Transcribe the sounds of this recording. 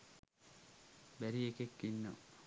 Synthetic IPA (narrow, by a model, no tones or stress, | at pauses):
bæɾiekekːinːo